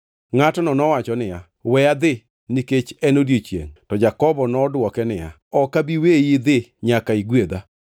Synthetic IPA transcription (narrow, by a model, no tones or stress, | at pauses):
ŋatɔnɔnɔwat͡ʃɔnɪja | wɛjad̪ɪ | niket͡ʃɛnodjot͡ʃjḛŋtɔd͡ʒakɔbɔnɔdwɔkɛnɪja̰ | ɔkabiwejid̪ɪɲakaiɡwed̪a